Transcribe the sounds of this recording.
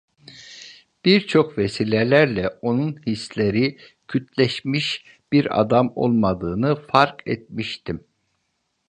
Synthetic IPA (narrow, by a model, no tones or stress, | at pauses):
b̥iɾt͡ʃʰo̞kvesiːlʲelʲæɾlʲɛo̞nunhislʲeɾi | cʰyt̪ʰlʲɛʃmiʃ | b̥iɾa̰d̪amo̞̰lˠmad̪ɯːnɯfaɾkɛ̰t̪̚miʃt̪ʰim